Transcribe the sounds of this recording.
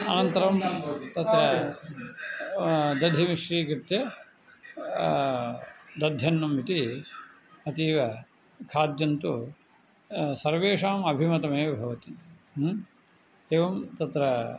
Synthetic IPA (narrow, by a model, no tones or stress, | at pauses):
ɐnɐnt̪ɐɾɐmt̪ɐt̪ɾɐ | d̪ɐd̪ʱimiʃɾiːkɾit̪jɐ | d̪ɐd̪ʱjɐnːɐmit̪i | ɐt̪iːʋɐ | kʰaːd̪jɐnt̪u | sɐɾʋeːʂaːmɐbʱimɐt̪ɐmeːɐbʱɐʋɐt̪i | eːʋɐmt̪ɐt̪ɾɐ